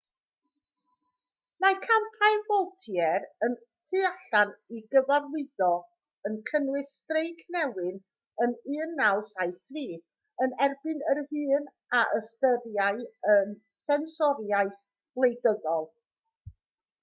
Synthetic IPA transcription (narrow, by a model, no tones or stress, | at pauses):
makʰampʰajvɔlˠtʰjɛɾən | tʰɨaɬaniɡəvarwɪðɔ | ənkʰənwɨstrejkʰnɛwɨn | ənɨːnːalˠsaɨθtʰriː | ənɛrbɨnərhɨːn | aʔəstəɾjaɨən | sɛnsɔɾjaɨθ | b̥lˠejdəɡɔlˠ